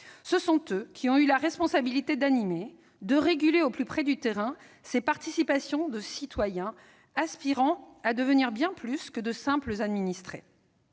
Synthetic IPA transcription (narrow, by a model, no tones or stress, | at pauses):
səsɔ̃t̪økʲʰiɔ̃ylaʁɛspɔ̃sabilit̪ed̪anime | d̪əʁeɡʲyleoplypχɛd̪yt̪eʁɛ̃ | sepaʁt̪isipasjɔ̃d̪əsit̪wajɛ̃ | aspiʁɑ̃ad̪əvəniʁbjɛ̃plyskəd̪əsɛ̃pləzad̪minist̪χe